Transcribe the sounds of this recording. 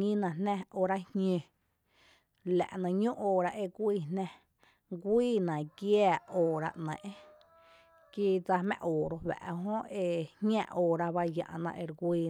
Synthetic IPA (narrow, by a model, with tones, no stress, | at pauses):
ŋĩ˦nã˨nnɛ̃˦˧oː˧˨ɾa˦hɲẽ˧ | læ̰˨ʔnã˧˨ɲõ˦ʔoː˧˨ɾa˧ʔe˧kʷiː˧˨nnɛ̃˧ | ɡʷiː˦˨nã˨ɡjaː˦˧˨oː˧˨ɾa̰˧ʔnə̃˨ʔẽ˦ | ki˦d͡za˧hmɛ̰̃˧ʔoː˨ɾo˧wæ̰˨ʔɦõ˦e˧hʲã̰˧ʔoː˧˨ɾa˧βa˦jã̰˨ʔnã̰˧ʔe˧ɾɡʷiː˧